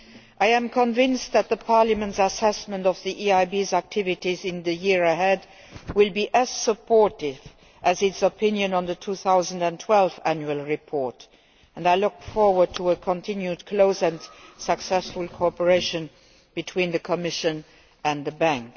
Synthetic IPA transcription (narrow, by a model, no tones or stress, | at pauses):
ʔaɪɨ̃mkʰə̃ɱvɪ̃nst̚ðæt̪̚ðəpʰɑɹləmə̃ntsəsɛsmə̃ntʌvðiʔiaɪbizæk̚tʰɪvɨtizɪ̃nðɨjɪɹəɦɛd | wɪlˠbiʔɨz̥səpʰɔɹtɪv | ʔɨzɪtsəpʰɪ̃njɨ̃nə̃nðətʰuθaʊzə̃n̩də̃ntʰw̥ɛlˠvæ̃njuəlˠɹipʰɔɹt | ə̃ndaɪlʊkfɔɹwə˞d̚tʰəəkʰə̃ntʰɪ̃njudkʰloʊsɨ̃nsəksɛsfəlˠkʰoɔpə˞eɪʃə̃n | b̥ɨtʰw̥ĩnðɨkʰəmɪʃɨ̃n | ɨ̃nðəbæ̃ŋk